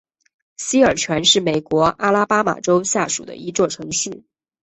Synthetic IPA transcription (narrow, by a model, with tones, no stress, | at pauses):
ɕi˥ə˞˨˩t͡ɕʰɥɛ˧˥nʂɻ̩˥˩me˨˩ɪkwɔ˧˥ʔa˥la˥pa˥ma̰˨˩ʈ͡ʂo˥ʊɕja˥˩ʂṵ˨˩d̪ə̰˦i˧˥t͡swɔ˥˩ʈ͡ʂʰɤ˧˥ŋɕy˥˩